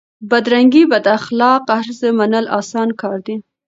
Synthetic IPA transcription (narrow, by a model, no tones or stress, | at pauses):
bad̪ɾaŋɡibad̪axlɑqahɾzəmanəlɑ̰sɑnkɑɾd̪i